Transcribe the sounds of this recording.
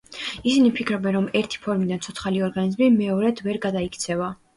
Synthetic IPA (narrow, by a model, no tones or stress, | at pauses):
isinipʰikʰɾɔbɛnɾɔmɛɾt̪ʰi̥pʰɔɾmid̪ansʰɔt̪sχaliɔɾɡanizmimɛɔɾɛd̪ʰvɛɾɡad̪aikʰt̪sʰɛva